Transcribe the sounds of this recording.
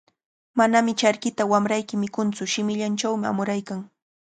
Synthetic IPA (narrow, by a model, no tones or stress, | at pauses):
manamɪt͡ʃaɾkɪt̪awamɾajkɪmɪkʊnt͡sʊʃɪmɪʎant͡ʃawmɪa̰mʊɾajkaŋ